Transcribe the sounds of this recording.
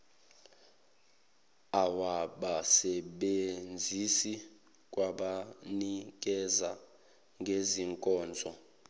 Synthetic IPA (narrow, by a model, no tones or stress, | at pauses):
awaɓasɛɓend͡zʱisi | kʼwaɓanik̬ʼɛza | ŋɡʱeziŋkʼɔːnd͡zʱɔ